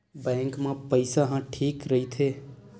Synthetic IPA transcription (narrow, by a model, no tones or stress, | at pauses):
bɛ̃ːŋkmãpəɪsaɦãʈʰiːkɾəɦit̪ʰeː